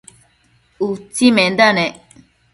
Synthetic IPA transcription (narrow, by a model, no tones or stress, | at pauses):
ut͡simɛ̃nd̪anɛ